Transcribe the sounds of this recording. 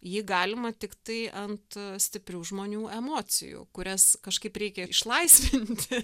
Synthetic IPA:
jiːɡɑːlʲɪmɐt̪ʲɪkt̪ɐɪʔɐnt̪sʲt̪ʲɪpʲrʲuːʒmoːnʲuːʔɛmoːsʲɪ̰jṵːkʊɾʲɛskɐʃkɐɪpɾʲɛɪkʲɛɪʃlˠɐɪsʲʋʲɪnʲt̪ʲɪ

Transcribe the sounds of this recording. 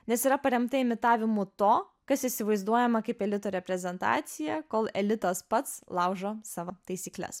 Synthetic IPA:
nʲɛsiːɾɐpɐɾʲɛmt̪ɐɛmʲɪt̪ɑːʋʲɪmʊt̪oː | kɐsisʲɪʋɐɪzd̪uɔjɛmɐkɐɪpɛlʲɪt̪oːɾʲɛpʲɾʲɛzʲɛnt̪ɑ̰ːt̪sʲɪjɛkoːlˠɛlʲɪt̪ospɐt̪slˠɐʊʒoːsɑʋot̪ɐɪsʲiːklʲɛ̰s

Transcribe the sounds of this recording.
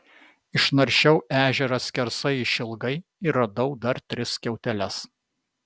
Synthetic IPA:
ɪʃnɐɾʲʃʲɛʊʔæːʒʲɛɾɐsʲkʲɛɾsɐɪiʃʲɪlˠɡɐɪiɾɐd̪ɐʊd̪ɐɾt̪ʲɾʲɪskʲɛʊt̪ʲɛlʲɛs

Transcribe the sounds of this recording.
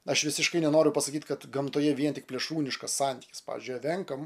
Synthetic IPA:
ɐʃʋʲɪsʲɪʃkɐɪnʲɛnoːɾʲʊpɐsɐkʲiːt̪ʲkɐt̪ɡɐmt̪oːjɛʋʲiɛnt̪ʲɪk̚pʲlʲɛʃuːnʲɪʃkɐssɑːnʲt̪ʲiːkʲɪspɑ̰ːʋʲɪ̰zʲd͡ʒʲʊjɐʋʲɛŋkɐm

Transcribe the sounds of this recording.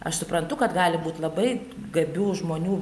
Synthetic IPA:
ɐʃsʊpɾɐnt̪ʊkɐt̪ɡɑːlʲɪbuːt̪ʲlˠɐbɐɪ | ɡɐbʲuːʒmoːnʲuː

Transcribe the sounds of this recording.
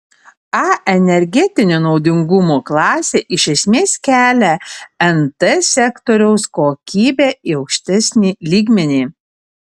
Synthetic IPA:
ɑʔɛnʲɛɾʲɡʲɛt̪ʲɪnʲoːnɒʊd̪ʲɪŋɡʊmoːklˠɑːsʲeːʔɪʃʲɛsʲmʲeːskʲæːlʲɛɛnt̪ɛsʲɛkt̪ɔɾʲɛʊskoːkʲiːbʲæːiɒʊkʃʲt̪ʲɛsʲnʲiːlʲiːɡmʲɛnʲiː

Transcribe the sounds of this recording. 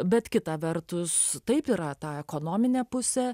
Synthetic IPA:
bʲɛt̪kʲɪt̪ɐʋʲɛɾt̪ʊst̪ɐɪpiːɾɐt̪ɑːɛkoːnoːmʲɪnʲeːpʊsʲɛ

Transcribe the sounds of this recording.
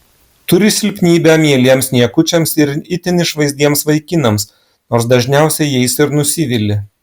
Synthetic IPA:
t̪ʊɾʲɪsʲɪlʲpʲnʲiːbʲɛmʲiɛlʲiɛmsnʲiɛkʊt͡ʃʲɛmsɪɾɪt̪ʲɪnʲɪʃʋɐɪzʲd̪ʲiɛmsʋɐɪkʲɪnɐms | noːɾsd̪ɐʒʲnʲæˑʊsʲɛjɛɪsɪɾnʊsʲɪʋʲɪlʲɪ

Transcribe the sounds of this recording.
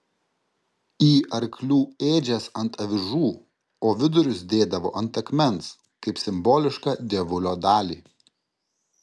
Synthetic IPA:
iːʔɐɾʲklʲuːeːd͡ʒʲɛsɐnt̪ɐʋʲɪʒuː | oːʋʲɪd̪ʊɾʲʊsd̪ʲeːd̪ɐʋo̰ːʔɐnt̪ɐkmʲɛns | kɐɪpsʲɪmboːlʲɪʃkɑːd̪ʲeɛʋʊlʲoːd̪ɑːlʲiː

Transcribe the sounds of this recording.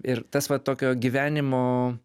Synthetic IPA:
ɪɾt̪ɐsʋɐt̪oːkʲoːɡʲiːʋʲæːnʲɪmoː

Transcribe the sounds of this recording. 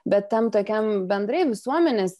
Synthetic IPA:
bʲɛt̪t̪ʲɛmt̪oːkʲɛmbʲɛnd̪ɾɐɪʋʲɪsuɔmʲɛnʲeːs

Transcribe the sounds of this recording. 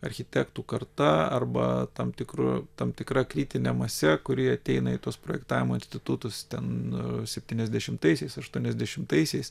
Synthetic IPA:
ɐɾʲxʲɪt̪ʲækt̪uːkɐrt̪ɐɐ̰rbɐ̰t̪ɐmt̪ʲɪkɾʊ̰t̪ɐmt̪ʲɪkɾɐkɾʲiːt̪ʲɪnʲɛmɐsʲɛkʊɾʲɪɐt̪ʲɛɪnɐiːt̪uɔspɾoːjɛkt̪ɑːʋʲɪmoːɪnʲsʲt̪ʲɪt̪ʊt̪ʊst̪ʲɛnsʲɛpʲt̪ʲiːnʲɛzʲd̪ʲɛʃʲɪmt̪ɐɪsʲɛɪsɐʃt̪uɔnʲɛzʲd̪ʲɛʃʲɪmt̪ɐɪsʲɛɪs

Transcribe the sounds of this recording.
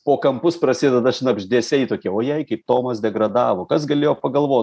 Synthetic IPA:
poːkɐmpʊsprɐsʲeːd̪d̪ɐʃnɐbʲʒʲd̪ʲeːsʲɛɪt̪oːkʲɛoːjɛɪkɐɪp̚t̪oːmɐsd̪ʲɛɡɾɐd̪ɑːʋoːkɐs̬ɡɐlʲeːjoːpɐɡɐlˠʋoː

